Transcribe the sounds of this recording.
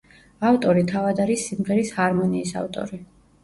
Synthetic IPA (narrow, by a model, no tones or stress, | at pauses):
aft̪ʼɔɾit̪ʰavad̪aɾisːimʁɛɾishaɾmɔniːsa̰ft̪ʼɔ̰ɾi